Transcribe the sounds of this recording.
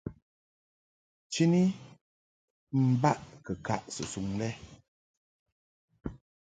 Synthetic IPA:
t͡ʃi˦ni˦ | m̩˦ba˦ʔkə˨ka˦ʔsə̰˨su˨ŋlɛ˦

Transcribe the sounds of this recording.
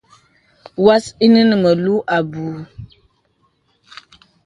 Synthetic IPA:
wa˦si˦nɨ˦nɨ˨mə˨lu˦ʔa˨bu˨

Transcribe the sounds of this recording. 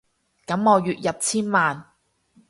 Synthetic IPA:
kɐ˨˥mŋɔː˨˧jyː˨t̚jɐ˨p̚t͡sʰiː˥nmaː˨n

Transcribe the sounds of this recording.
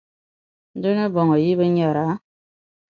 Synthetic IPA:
n̩˦de˦ne˦bɔ˨ŋa˨ji˦be˦ɲ˦a˨ɾa˨˦

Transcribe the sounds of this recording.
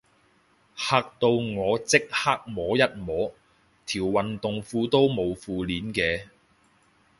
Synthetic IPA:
haː˧k̚t̪o˧wŋɔː˨˧t͡sɪ˥k̚haː˥k̚mɔː˨˥jɐ˥t̚mɔː˨˥ | t̪ʰiː˨˩wːɐ˨nt̪ʊ˨ŋfuː˧t̪o˥wmo˨˧wfuː˨˧liː˨˥nkɛː˧

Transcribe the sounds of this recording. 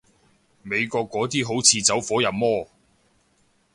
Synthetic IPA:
me˨˧jkɔː˧kːɔː˨˥t̪iː˥ɦo˨˥wt͡sʰiː˧t͡sɐ˨˥wfɔː˨˥jɐ˨mmɔː˥

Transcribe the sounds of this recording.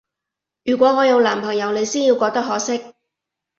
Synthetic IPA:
jyː˨˩kʷɔː˨˥ŋɔː˨˧jɐ˨˧wlaː˨˩mpʰɐ˨˩ŋjɐ˨˧wle˨˧jsiː˥nji˧wkɔː˧k̚t̪ɐ˥k̚ɦɔː˨˥sɪ˥k̚

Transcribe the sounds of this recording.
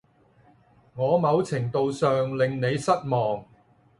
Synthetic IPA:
ŋɔː˨˧mɐ˨˧wt͡sʰɪ˨˩ŋt̪o˨wsœː˨ŋlɪ˨ŋne˨˧jsɐ˥t̚mɔː˨ŋ

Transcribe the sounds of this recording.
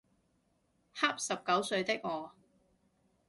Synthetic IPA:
ha˥p̚sɐ˨p̚kɐ˨˥wsɵ˧ɥt̪ɪ˥k̚ŋɔː˨˧

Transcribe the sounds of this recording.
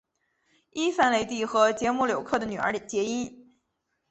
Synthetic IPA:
i˥fa˥nle˧ɪt̪i˥˩xɤ˧˥t͡ɕjɛ˧˥mu˥˩ljo˨˩ʊkʰɤ˥˩d̪ə˩ny˨˩ə̰˞˧˥t͡ɕjɛ˧˥i˥n

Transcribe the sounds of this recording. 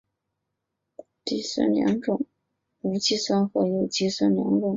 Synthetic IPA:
t̪i˥˩swa̰˥˩nljɑ̰˧˥ŋʈ͡ʂʊ˥˩ŋ | u˧˥t͡ɕi˥swa˥nxɤ˧˥jo˨˩ʊt͡ɕi˥˩swa˥˩nljɑ̰˧˥ŋʈ͡ʂʊ˥˩ŋ

